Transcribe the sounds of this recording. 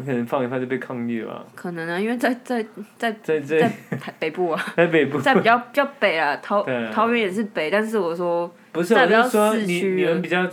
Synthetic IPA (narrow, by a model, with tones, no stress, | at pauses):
ŋkʰə˨˩nə˧˦ŋfɑ˥˧ŋi˥˩fa˥˧t͡ɕo˥˧pe˥˧kʰɑ˥˧ŋy˥˩lɐ̰˩kʰɤ˨˩nə˧˦ŋə˧˦i˥nwe˥˧ɪt͡sa˥˧ɪt͡sa˥˩ɪt͡sa˥˩ɪa˥˧ɪt͡sa˥˩ɪt̪ʰa˧˥ɪpe˨˩ɪpu˥˩ɐ˨˩t͡sa˥˩ɪpe˨˩ɪpu˥˧t͡sa˥˩ɪi˨˩t͡ɕjɑ˥˩ʊpi˨˩t͡ɕjɑ˥˩ʊpe˨˩ɪlɐ˦t̪ʰɑ˧˥˦ʊe˩ɑ˧˥ʊɥɛ˧˥njɛ˨˩ʂ̬̩˥˩pe˨˩ɪt̪a˥˧nʂ̬ɻ̩˥˩wɔ˨˩ʂwɔ˥ | pu˧˥ʂ̩˥˩pt͡ɕɑ˥˧swɔ˥ni˨y˥ni˨mə˧˦npi˨˩t͡ɕɑ˥˨ʊ